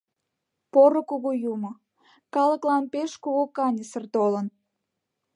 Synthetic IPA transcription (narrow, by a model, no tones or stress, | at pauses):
poɾəkoɣojumo | kɑləklɑnpeʃkoɣokɑnʲəsərt̪olən